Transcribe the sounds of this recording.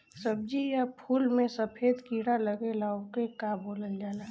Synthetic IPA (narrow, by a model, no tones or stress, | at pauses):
səb̚d͡ʒijapʰuːlmẽsəpʰeːd̪kiːɽaləɡelaokekaboːləld͡ʒaːla